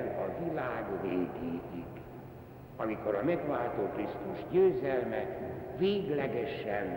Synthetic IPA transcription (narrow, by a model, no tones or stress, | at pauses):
ɾɒvilaːɡveːɡiːɡiɡ | ɒmiko̞ɾɒmɛɡʋaːlt̪oːkrist̪uʒɟøːzɛlmɛveːɡlɛɡɛʃɛn